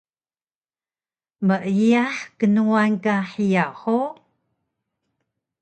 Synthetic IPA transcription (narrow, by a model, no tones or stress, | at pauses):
məʔijaħkənuankaħijaħo